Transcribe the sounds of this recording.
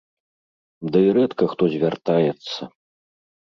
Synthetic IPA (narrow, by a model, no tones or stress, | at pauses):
d̪ɐiɾɛt̪kɐxt̪ɔzʲvʲart̪ajɛt̪sːɐ